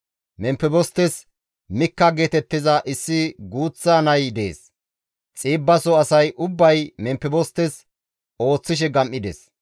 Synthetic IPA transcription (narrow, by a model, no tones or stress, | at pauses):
mɛmpːɛbɔst̪ːɛs | mɪkːɐɡeːt̪ɛt̪ːɪzɐʔɪsːɪɡuːt͡sːaːnɐjd̪ḛːs | t͡sʼiːbːɐsɔɐsɐjʔʊbːɐjmɛmpːɛbɔst̪ːɛs | o̞ːt͡sːɪʃ̬ɛɡɐmʔːɪd̪ɛs